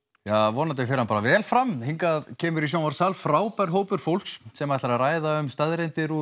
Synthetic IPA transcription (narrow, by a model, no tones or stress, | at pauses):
javɔːnat̪̬ɪfɪɾhanpaːɾavɛːlfɾamhiŋkaðcʰɛːmʏɾis̬jawvaɾ̥salfɾaːwpaɾ̥ɦoːwpʏɾ̥fowl̥kssɛmaɛht̪laɾaraːjðaʏmst̪aðɾejnt̪ɪɾu